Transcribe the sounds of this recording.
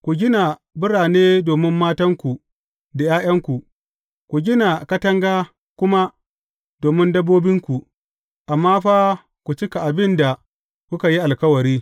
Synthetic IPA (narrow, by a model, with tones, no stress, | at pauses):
kʷu˨ɡʲɪ˦na˨ | bɪ˦ɾaː˨neː˦doː˨mɪ˦mːaː˦tɐ˦ŋkʷu˨ | da˨jaː˦j̰ɐ˦ŋkʷu˨ʔ | kʷu˨ɡʲɪ˦na˨kɐ˦tɐ˦ŋɡaː˦ | kʷʊ˦ma˦ | doː˨mɪ˦ndɐ˦bːoː˦bɪ˦ŋkʷu˨ | ʔa˨mːaː˦ɸa˦ | kʷu˨t͡ʃɪ˦ka˨ʔa˨bɪ˦nda˨ | kʷʊ˦ka˨ji˦ʔa˨lkɐ˦wɐ˨ɾiː˦